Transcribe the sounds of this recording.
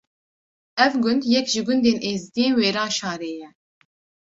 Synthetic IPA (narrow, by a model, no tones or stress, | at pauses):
ɛvɡʊnd̪jɛkʒɪɡʊnd̪eːnʔeːzd̪iːnweːɾɑːʃɑːɾeːjɛ